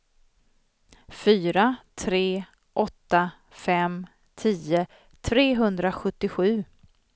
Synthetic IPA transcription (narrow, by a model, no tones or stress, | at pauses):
fyːɾat̪ʰɾeː | ʔɔt̪ːa | fɛm | t̪ʰiːə | t̪ʰɾeːɦɵnd̪ɾaɧɵt̪ːɪɧʉ̟ː